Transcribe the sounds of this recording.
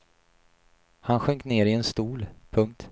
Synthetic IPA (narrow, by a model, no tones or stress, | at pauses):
hanɧœŋkneːɾɪɛnst̪uːlpʰɵŋk̚t̪